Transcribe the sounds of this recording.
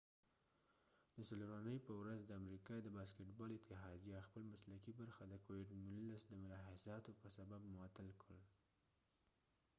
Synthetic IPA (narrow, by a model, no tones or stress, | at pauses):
d̪əsəloɾanəjpəwɾazd̪əamɾikɑd̪əbɑskɪʈbɑlɪt̪ɪɦɑd̪ijɑxpəlmaslakibaɾxad̪əkowɪɖnulasd̪əmʊlɑhɪzɑt̪opəsababmʊwɑt̪alkəl